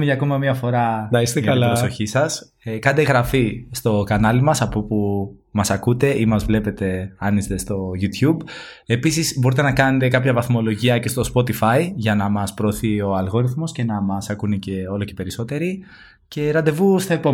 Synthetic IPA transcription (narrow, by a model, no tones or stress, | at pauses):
meʝɐːko̞mɐmiɐfo̞ɾɐnɐist̪eɐɐlpɾosso̞çisɐs | ekɐnd̪eɣɾɐfist̪o̞kɐnɐlimɐsɐpo̞pu | mɐsɐkut̪e̞ʔimɐzvle̞pe̞t̪e̞ɐnist̪e̞st̪o̞ʝut̪çub | e̞pisizbo̞ɾit̪e̞nɐkɐne̞t̪e̞kɐpçɐvɐθmo̞lo̞ʝiɐce̞st̪o̞spo̞t̪ifɐiʝɐnɐmɐspɾo̞ːθio̞ɐlɣo̞ɾiθmo̞sce̞nɐmɐsɐkunice̞o̞lo̞ce̞pe̞ɾiso̞t̪e̞ɾi | ce̞ɾɐnd̪e̞vust̪ɐepo